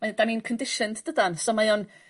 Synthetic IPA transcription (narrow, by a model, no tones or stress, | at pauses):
mad̥aninkʰəndɪʃɨndd̥ədansɔmajɔn